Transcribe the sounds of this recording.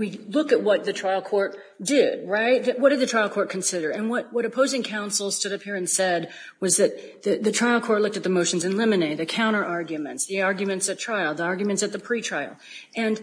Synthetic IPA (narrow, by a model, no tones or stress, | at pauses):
wilʊkɨt̚wʌt̪̚ðɨtʰɹ̥aɪlˠkʰɔɹt | d̥ɪd̚ɹaɪt̚wʌt̚d̥ɨd̪̚ðɨtʰɹ̥aɪlˠkʰɔɹt̚kʰn̩sɪɾə˞ɨ̃nwʌt̚wʌɾɨpʰoʊzɪ̃ŋkʰãʊ̃nsl̩ˠstʊɾʌphiɹɨ̃nsɛd̚ | wʌzðɨt̪̚ | ðɨðɨtʰɹ̥aɪlˠkʰɔɹtˡlʊk̚tɨt̪̚ðɨmoʊʃn̩zɨ̃nlɪ̃mɨneɪt̚ðɨkʰãʊ̃ɾ̃ə˞ʔɑɹɡjɨmɨ̰̃ntsðiɑɹɡjmɨ̃ntsɨtʰɹ̥aɪlˠðiɑɹɡjmɨ̃ntsɨt̪̚ðɨpʰɹ̥itʰɹ̥aɪl̩ˠ | ɨ̃n